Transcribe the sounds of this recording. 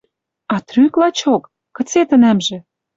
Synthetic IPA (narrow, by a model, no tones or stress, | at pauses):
ɑt̪ryklɑt͡ɕokː | ə̆t͡set̪ə̆næmʒĕ